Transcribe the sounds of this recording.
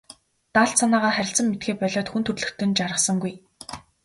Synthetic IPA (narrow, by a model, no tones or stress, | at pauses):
t̪aːɬt̪sanaːʁaːχæɾʲɪ̆ɬt͡sə̆mːet̪̚ɡeːpœɮɔːt̪xunt̪ʰɵrɮɵ̆xt̪ɵ̆nt͡ɕaɾə̆χsə̆ŋɡuj